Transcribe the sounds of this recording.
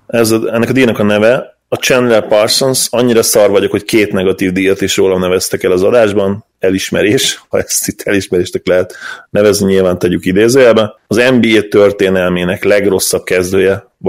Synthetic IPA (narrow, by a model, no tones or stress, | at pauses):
ɛzɛnːɛkɒd̪iːnɒkɒnɛvɛ | ɒt͡ʃɛnːlɛlpɒrsonsɒɲːiɾɒsɒrvɒɟo̞kho̞ckeːt̪nɛɡɒt̪iːvd̪iːjɒt̪eːʃroːlɒmnɛvɛst̪ɛkɛlɒzɒd̪aːʒbɒn | ɛliʃmɛ̰ɾeːʃhɒ̰ɛst̪it̪ʰːɛliʃmɛɾeːʃt̪ɛklɛɦɛt̪nɛvɛzniɲilvaːnt̪ɛɟykid̪eːzeɛbɛɒzɛmbiːeːt̪ørt̪eːnɛlmeːnɛklɛɡro̞sːɒb̚kɛzd̪øːjɛ